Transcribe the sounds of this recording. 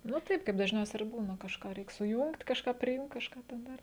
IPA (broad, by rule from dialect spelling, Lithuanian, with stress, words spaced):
nʊ ˈtɐɪp kɐɪp dɐʒʲˈnʲɛʊsʲɛ ɪr ˈbuːnɐ kɐʃˈkɑː ˈrʲɛɪk sʊˈjʊŋkt kɐʃˈkɑː pʲrʲɪˈjʊŋkt kɐʃˈkɑː tʲɛn ˈdɐr